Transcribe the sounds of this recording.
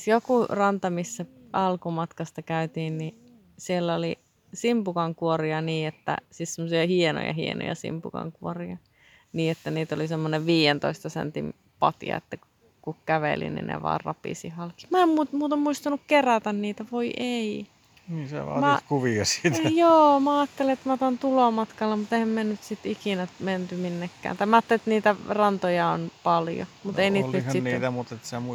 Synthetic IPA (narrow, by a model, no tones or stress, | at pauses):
jokurɑnt̪ɑmisːæɑlkumɑt̪kɑst̪ɑkæyt̪iːnni | sielːoli | simpukɑŋkuoriɑniːet̪ːæ̰sit̪semːosiɑhieno̰jɑ̰hḭḛno̰jɑ̰sḭmpṵkɑ̰ŋkuoriɑ | niːet̪ːæniːt̪olisemːoneʋʋiːjent̪o̰ist̪ɑsḛnt̪im | pɑt̪ḭɑ̰ḛt̪ːæku | kukkæʋḛlḭnḭnḛʋɑ̰ːrrɑ̰pḭsḭhɑlki̥mæemmumuːt̪ɑmmuist̪ɑnukkeræt̪ænniːt̪æʋoiʔei | niːsḛʋɑ̰ːmækuʋiɑsi̥t̪joːmæɑːt̪ːeleet̪mɑt̪ɑnt̪ulomɑt̪kɑlːɑmut̪ehæmmennyt̪sit̪ikinæment̪yminːekːæ̰ːnt̪ɑimæɑːt̪ːelet̪niːt̪ærɑnt̪ojɑo̰npɑljo̰mut̪einiːnyth̪siniːt̪æmut̪et̪semu